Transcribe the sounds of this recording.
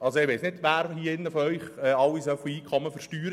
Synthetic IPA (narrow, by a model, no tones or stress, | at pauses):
ɑlsoɪʋeɪsnɪdʋæːɾhiəɪnːəfɔœʏχɛːɑlːisœfoiːkʰχɔmːəfəɾʃtyːɾə